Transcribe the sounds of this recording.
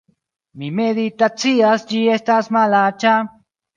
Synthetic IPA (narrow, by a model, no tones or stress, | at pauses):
mĩmẽðit̪at͡siast͡ʃiest̪asmalat͡ʃa